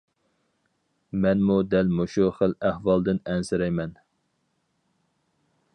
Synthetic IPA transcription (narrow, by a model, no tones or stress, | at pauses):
mɛnmud̪ɛlmoʃuχəlæhvɑlˠd̪ɪnɛnsɪɾɛjmɛn